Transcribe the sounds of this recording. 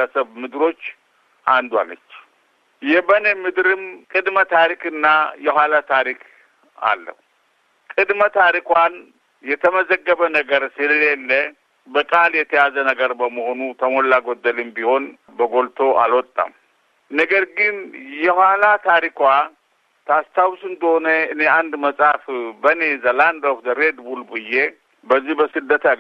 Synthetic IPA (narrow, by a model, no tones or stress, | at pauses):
əsəβmɨd̪ɾo̞t͡ʃː | ʔand̪wa̰nə̰t͡ʃː | jɛbənəmɨd̪ɾɨmkʼɨd̪mət̪ʰaɾikɨnːajɛhʷalat̪ʰaɾik | a̰lːə̰hu | kʼɨd̪mət̪ʰaɾikʷan | jɛt̪ʰəməzəɡːəβənəɡəɾsɨləlelːə | bəkʼaljɛt̪ʰəjazənəɡəɾbəməho̞nut̪ʰəmolːaɡod̪ːəlɨmbiho̞n | bəɡo̞lt̪ʰo̞ʔa̰lwɔt̪ʼːa̰m | nəɡəɾɡɨnjɛhwalat̪ʰaɾikwa | t̪ʰast̪ʰawsɨnd̪əho̞nəɨne̞and̪məsʼafbəne̞zəland̪ohd̪əɾed̪bulbɨje | bəzːihbəsɨd̪ːət̪ʰa